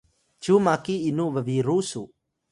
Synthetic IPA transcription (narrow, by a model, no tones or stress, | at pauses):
t͡ʃumakiːnuʋəʋiɾusu